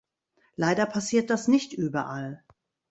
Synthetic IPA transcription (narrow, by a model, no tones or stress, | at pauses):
laɪdɐpʰasiːɐt̚d̥asnɪçtʔyːbɐʔal